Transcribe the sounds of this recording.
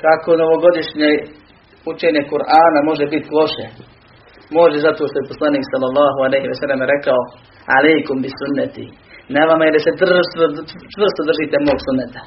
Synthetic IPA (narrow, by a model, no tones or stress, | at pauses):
kako̞noʋo̞ɡo̞d̪iʃɲe | ut͡ʃe̞ːɲekuɾʔaːnamo̞ʒebit̪lˠo̞ʃe | mo̞ʒezat̪oːʃt̪ojeposlˠaniːksalːalːɑːɦualejɦiʋɛsalːemɾekao | alejkumbisunːɛt̪ḭ | neʋamaedised̪rst̪ot͡ʃʋr̩st̪od̪r̩ʒit̪emoːɡsunːet̪ḁ